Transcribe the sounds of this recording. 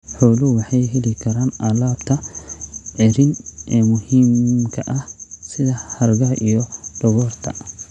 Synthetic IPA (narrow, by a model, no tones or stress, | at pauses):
ħoːluwɐħejhɪlɪkɐɾɐnɐlabt̪ɐ | ʔɛɾɪnmʊhimkɐʔɐsɪd̪ɐhɐɾɡaʔɪjɔᶑɔɡɔɾt̪ʰɐ